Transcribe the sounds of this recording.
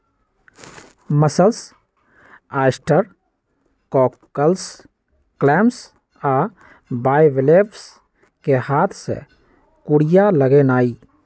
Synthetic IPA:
məsəls | aːɪsʈəɾ | kɔːkːəls | klɛːms | aː | baːjʋɪleːbs | kehaːt̪ʰsḛ | kʊɽijaləɡenaːiː

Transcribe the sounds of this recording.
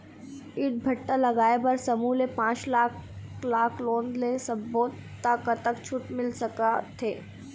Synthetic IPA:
iːʈ̚bʱɐʈːalɐɡaːebɐɾsɐmuːlepãːt͡ʃlaːklaːkʰlõːnd̪lesɐ̃boːt̪ː | akat̪əkt͡ʃʰʊʈmɪlsɐkat̪ʰeː

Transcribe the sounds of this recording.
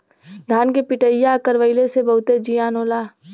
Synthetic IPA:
d̪ʱaːnkepɪʈəjːakəɾʋəɪlesebɐɦʊt̪ed͡ʒijaːnoːlaː

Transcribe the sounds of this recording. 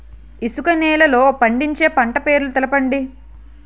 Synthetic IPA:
isukɐnɛːlɐlo̞ːpɐɳɖiɲt͡ʃe̞ːpɐɳʈɐpe̞ːɾlut̪ɛlɐpɐɳɖi

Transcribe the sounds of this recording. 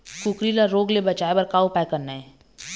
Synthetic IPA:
kukɾilaɾoːɡlebɐt͡ʃaːebɐɾkaːupaːkəɾnaɦɛː

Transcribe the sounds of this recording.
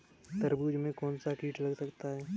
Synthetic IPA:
t̪əɾbuːd͡ʒmẽkɔːnsakiːʈʰlɐɡsɐkt̪aɦɛː

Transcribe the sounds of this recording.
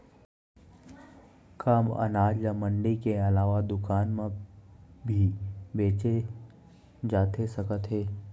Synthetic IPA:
kaːmə̰naːd͡ʒjamə̃ɳɖikeɐlaːʋad̪ʊkaːnmẽ | bʱibeːt͡ʃe | d͡ʒaːt̪esəkət̪ɦeː

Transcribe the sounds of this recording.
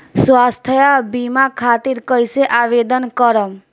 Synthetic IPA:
swast̪ʰəjabimakʰaːt̪iɾkəjseʔaʋed̪ənkəɾəm

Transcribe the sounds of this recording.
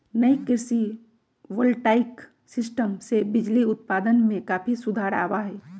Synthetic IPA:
nəikɪɾsi | ʋəlʈaːɪk | sɪsʈəmsebɪd͡ʒliʊt̪̚paːd̪ənmẽkaːpʰisʊd̪ʱaːɾa̰ːwaɦɛː

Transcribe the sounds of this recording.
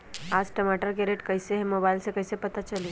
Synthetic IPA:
ad͡zʈəmaʈəɾkeɾeʈkəjseɦemobailsekəjsepət̪at͡ʃəle

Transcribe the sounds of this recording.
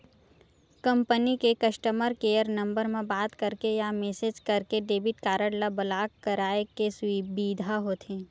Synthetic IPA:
kɐ̃mpənikekɐʃʈəməɾkeːəɾnɐ̃mbəɾmẽbaːt̪kəɾkejameːsed͡ʒkɐɾkeɖeːbɪʈkaːɾəɽlabəlaːkkːəɾaːekeswibiːd̪ʱaɦot̪ʰẽː

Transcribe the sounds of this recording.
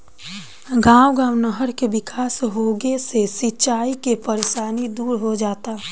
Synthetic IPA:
ɡãːwɡãːwnəɦəɾkebɪkʰaːsɦoːɡesesit͡ʃaːikepəɾeʃaːnid̪uːɾɦod͡ʒaːt̪a

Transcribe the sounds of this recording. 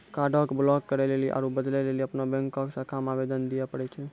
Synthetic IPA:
kaɖʱəkblɔkːəɾɛleliʔa̰ɾobəd̪lɛleliəpnabɛ̃ŋkːɔksãkamabed̪ənd̪ijɛpəɽɛt͡ʃʰɛ

